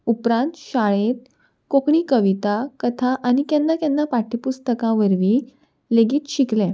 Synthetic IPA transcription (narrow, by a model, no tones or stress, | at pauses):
upɾãnt̪ɕaɭẽt̪ | kokɳiːkəʋit̪akət̪ʰaʔañikɛ̃nːakɛ̃nːapaʈipust̪əkãʋəɾʋi | leɡiːt̪ɕiklẽ